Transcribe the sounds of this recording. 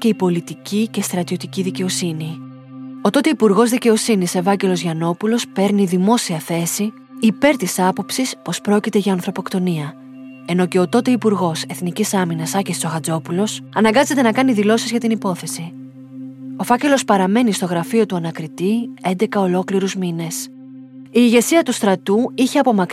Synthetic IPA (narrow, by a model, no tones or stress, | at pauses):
ce̞ipo̞lit̪icice̞st̪ɾɐt̪io̞t̪iciðice̞o̞sini | o̞t̪o̞t̪e̞ipuɾɣo̞zðice̞o̞sinise̞vɐɟe̞lo̞zʝɐno̞pulo̞spe̞ɾniðimo̞siɐθe̞siː | pe̞ɾt̪isɐpo̞psispo̞spɾo̞cit̪e̞ʝɐːnθɾo̞po̞kt̪o̞niɐ | e̞no̞ce̞ot̪o̞t̪e̞ipuɾɣo̞se̞θnicisɐminɐsɐcest͡so̞ɣɐd͡zo̞pulo̞sɐnɐŋɡɐze̞t̪e̞nɐkɐniðilo̞sizʝɐt̪inipo̞θe̞si | o̞fɐce̞lo̞spɐɾɐme̞nist̪o̞ɣɾɐfio̞t̪uɐnɐkɾit̪ie̞nd̪e̞kɐo̞lo̞kliɾuzmine̞s | iːʝe̞siɐt̪ust̪ɾɐt̪uiçe̞ɐpo̞mɐk